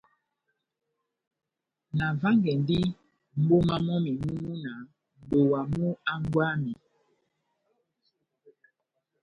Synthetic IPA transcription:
na˨va˦ŋɡɛ˨ndi˦ | m̩˦bo˦ma˦mɔ˦mi˨mu˦mu˦na˨ | m˨bo˨wa˨mu˦a˦ŋ˦ɡwa˦mi˨

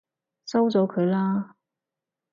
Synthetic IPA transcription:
sɐ˥wt͡sɔː˨˥kʰɵ˨˧ɥlaː˥

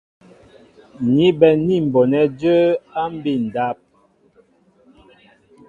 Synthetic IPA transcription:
ni˦bɛ˨ni˦˨m̩˨bɔ˨nɛ˨˦d͡ʒə˦a˦m˦bi˦˨n˨da˦p̚

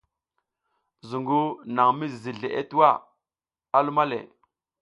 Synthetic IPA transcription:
zu˨ŋɡu˦na˨ŋmi˦zzi˨ɮe˨ʔḛ˦tu˦wa˦˨ | a˦lu˦ma˦lḛ˨

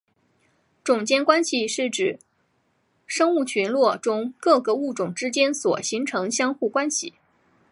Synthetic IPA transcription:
ʈ͡ʂʊ˨˩ŋt͡ɕjɛ˥nkwa˥nɕi˧ʂɻ̩˥˩ʈ͡ʂɻ̩˨˩ | ʂɤ˥ŋu˥˩t͡ɕʰy˧˥nlwɔ˥˩ʈ͡ʂʊ˥ŋkɤ˥˩ɡə˩u˥˩ʈ͡ʂʊ˨˩ŋʈ͡ʂɻ̩˥t͡ɕjɛ˥nswɔ˨˩ɕi˧˥ŋʈ͡ʂʰɤ˧˥ŋɕjɑ˥ŋxu˥˩kwa˥nɕi˥˨˩

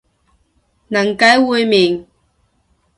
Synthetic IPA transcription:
nɐ˨˩ŋkɐ˨˥jwuː˨˧jmiː˨˩ŋ

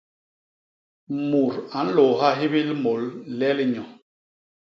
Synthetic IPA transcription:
mu˨ɾa˨˦n̩˦lo˨ɦa˦ɦi˦bi˦lmo˨llɛ˦li˦ɲɔ˨

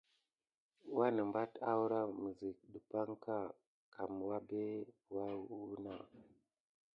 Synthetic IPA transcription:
wa˦nə˨mba˦ta˦wu˦ɾa˦mu˨zi˨k̚ɗu˨pa˦ŋka˦˨ | ka˨mwa˦be˦ | wa˦u˦na˦˨

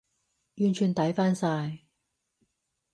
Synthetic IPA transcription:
jyː˨nt͡ʃʰyː˨˩nt̪ɐ˨˥jfaː˥nsaː˧j

